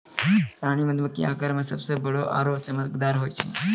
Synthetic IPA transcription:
pɾaɽ̃iməd̪məkḭã̰kaɾmãsəbsebʱəɭoʔa̰ɾopt͡ʃəməkd̪aɾɦojt͡ʃʰḛ

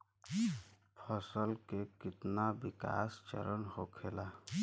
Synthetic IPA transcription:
pʰəsəlkekɪt̪nabɪka̰ːst͡ʃə̰ɾənhokʰela

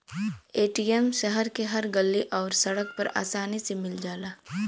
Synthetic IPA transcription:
eːʈiɛmʃəɦəɾkeɦɐɾɡɐlːiʔɔːɾsɐɽək̚pɐɾa̰ːsaːnisemɪld͡ʒaːlaː

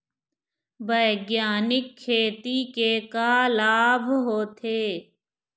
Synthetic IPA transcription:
bəːɡjaːnɪkʰːeːt̪ikeːkaːlaːbʱɦoːt̪ʰeː

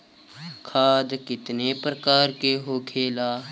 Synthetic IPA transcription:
kʰaːd̪kɪt̪nepɾəkaːɾkeɦokʰeːlaː

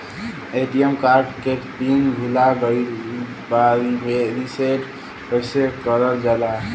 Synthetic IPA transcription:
eʈiemkaɾɖkeʈpinɡʱulaɡəil | baɾimeɾiseʈ | kəjsekəɾəld͡ʒala

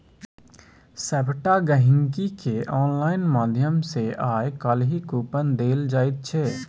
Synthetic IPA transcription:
sɛbʈaɡəɦɪ̃ŋkikeʔɔːnlaːɪnmaːd̪ʱjəmseʔaːekəlɦikuːpənd̪eːld͡ʒaːɪt̪̚t͡ʃʰeː

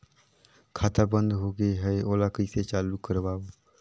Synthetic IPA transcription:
kʰaːt̪abə̃nd̪ɦoːɡeɦɛeoːlakəiset͡ʃaːlukːəɾbaːoː

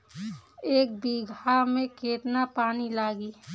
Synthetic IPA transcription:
eːk̚biɡʱamẽkeːt̪napaːnilaːɡiː

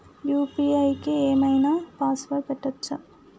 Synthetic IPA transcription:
juːpiɐjkːɨeːmɐjnɐpaːsʋɐkɐʈːɐt͡ʃːɐ

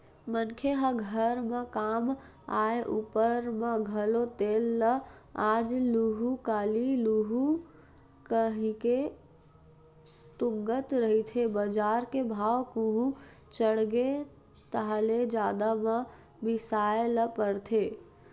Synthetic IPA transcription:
mənkʰeɦəɡʱəɾmekam | aeʔupəɾmeɡʱəlot̪elːəad͡ʒluɦukaliluɦu | kəɦike | t̪uŋɡət̪ɾəɦit̪ʰebəd͡ʒaɾkebʱawkuɦut͡ʃəɽɡe | t̪əɦled͡ʒad̪ame | bisaeləpəɾt̪ʰe

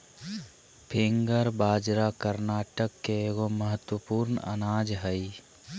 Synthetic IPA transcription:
pʰẽŋɡəɾbaːd͡ʒɾakəɾnaːʈəkːeeːɡoməɦət̪wəpuːɾnə̰naːd͡ʒɦəi

